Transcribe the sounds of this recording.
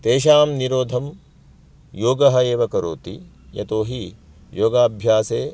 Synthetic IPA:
t̪eːʃaːmniɾoːd̪ʱɐm | joːɡɐɦɐeːʋɐkɐɾo̰ːt̪i | jɐ̰t̪oːɦi | joːɡaːbʱjaːseː

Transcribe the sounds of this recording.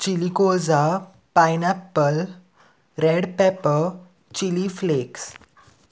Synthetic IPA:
t͡ɕilikod͡za | pajnapːəl | ɾeɽpɛpə | t͡ɕilifleks

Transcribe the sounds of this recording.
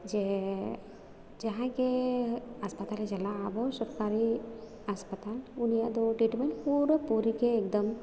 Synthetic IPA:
d͡ʒe | d͡ʒɐɦãke | aspət̪aled͡ʒɐlaːbʱəwsɔɾkaɾi | aspət̪alunijad̪oʈiʈmeuɾpuɾikeːk̚d̪əm

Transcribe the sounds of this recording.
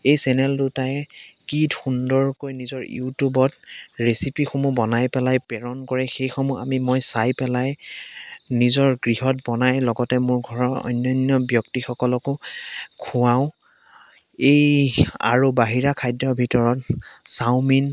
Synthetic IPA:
ejsɛnɛltutajɛkitxundɔɹkojnizɔɹjṵtubɔtɹesipixomubɔnajpɛlajpɛɹɔnkɔɹɛxejxɔmua̰mimojsajpɛlaj | nizɔɹɡɹiɦɔt̚bɔnajlɔɡɔtɛmʊɹɡʱɔɹɔɔ̰jnːɔnjɔbjɔk̚tixɔkɔlɔkʊkʰʊwaʊ̃ | eja̰ɹubaɦiɹakʰajdɹɔbʱitɔɹɔtsawmin

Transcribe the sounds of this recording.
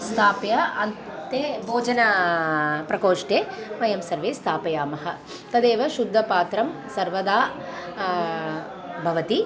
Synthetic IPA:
st̪ʰaːpjɐɐnt̪eːbʱoːd͡ʒɐnɐ | pɾɐkoːʂʈeːʋɐjɐmsɐɾʋeːst̪ʰaːpɐjaːmɐɦɐ | t̪ɐd̪eːʋɐʃud̪ʱːɐpaːt̪ɾɐmsɐɾʋɐd̪aː | bʱɐʋɐt̪i

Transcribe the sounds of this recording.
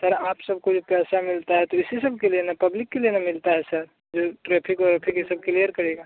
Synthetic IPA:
səɾaːpsəb̚kod͡ʒopɛːsamɪlt̪aɦɛt̪oɪsisəbʱkelienapəblɪkːelienamɪlt̪aɦɛsəɾ | d͡ʒoʈɾepʰikɔɾepʰikːisəb̚keliəɾkəɾeɡa

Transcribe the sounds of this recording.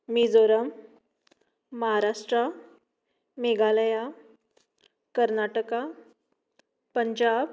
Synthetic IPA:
mid͡zoɾəm | əɦaɾaʂʈɾa | meɡaləja | kəɾnaʈəka | pəɲd͡ʑab

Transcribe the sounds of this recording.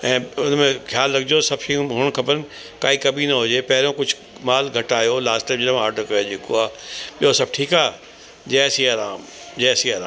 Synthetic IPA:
ɛ̃ːʊnmẽxʰjaːlːɐɡ̚d͡ʑosɐbʃĩɦʊɽ̃kʰɐbəɾnɪ̆ | kaːikɐbʱinɐɦod͡ʑeːpɛɦɪɾõkʊd͡ʑʱʊ | maːlɡʱɐʈaːjolaːsʈɛːmd͡ʑɪnam̃ɦaːʈɐkɐjod͡ʒekoaːɓiosɐb̚ʈʰiːkaː | d͡ʑɛːsiaːɾaːm | d͡ʑɛːsiaːɾaː

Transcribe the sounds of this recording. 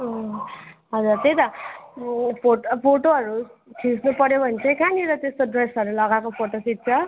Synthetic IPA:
ʌ | ɦʌd͡zurt̪ejt̪ʌ | pʰopʰoʈoɦʌɾukʰisnupʌɾjobʱʌnt͡sʰʌkʰaniɾʌt̪est̪oɖresʌɾulʌɡakopʰoʈosit̪̚t͡sʰʌ

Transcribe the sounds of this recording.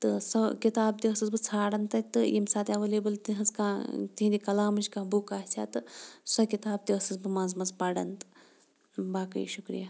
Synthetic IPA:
t̪ɨsɐkit̪aːb̚t̪iɐsɐzbɨt͡sʰaːɽɐnt̪ɐt̪ɨjimsaːt̪ʲɐʋɐleːbɐlt̪iɦɐzkãːt̪iɦd̪ikɐlaːmɐʃʲkãːbukaːsʲa̰ːt̪ɨsɐkit̪aːb̚t̪iɐsɐzbɨmaːnzmɐzpɐɽɐnt̪ɨ̥ | baːkɐ̰j̰ʃukɾḭja

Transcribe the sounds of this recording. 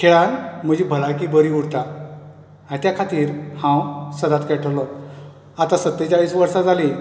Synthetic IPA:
kʰeɭãnm̤əd͡ʑiːbʱəlakiːbəɾiuɽt̪a | at̪jakʰat̪iːɾhãwsəd̪at̪kɛʈʰəwlɔ | at̪asət̪ːet͡ɕaʋiːsʋəɾsad͡zali

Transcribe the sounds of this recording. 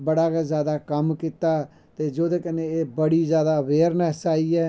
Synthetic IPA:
bəɽaːkazjaːd̪aːkəmkɪt̪aː | t̪eːd͡ʒoːd̪eːkəneeːbəɽiːzjaːd̪aːʋeːɾnəsaːiːɛː

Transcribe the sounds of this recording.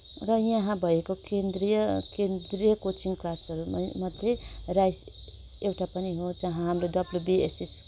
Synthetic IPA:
rʌjʌɦãbʱʌekokend̪rijʌkend̪rijʌkot͡siŋklasʌɾumʌd̪ʱːerajs | ewʈapʌniɦod͡zʌɦãɦamroɖʌbljubiḛsis

